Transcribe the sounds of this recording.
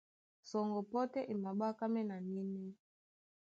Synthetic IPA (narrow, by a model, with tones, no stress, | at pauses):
sɔ˨ŋɡɔ˨pɔ˦tɛ˦ʔi˨ma˨ɓa˦ka˦mɛ˦na˨ni˦nɛ˦